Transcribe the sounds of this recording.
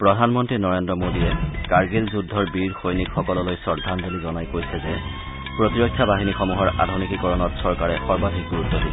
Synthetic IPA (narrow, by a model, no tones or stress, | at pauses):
pɹɔdʱanmɔntɹinɔɹendɹɔmodijɛkaɹɡizzudʱːɔɹbiɹxojnikxɔkɔlɔlojsɔɹdʱanbolizɔnajkojsɛzɛ | pɹotiɹokʰːjabaɦinixɔmuɦɔɹa̰dʱunikikɔɹɔnɔtsɔɹkaɹɛxɔɹbadʱik̚ɡuɹutːɔdi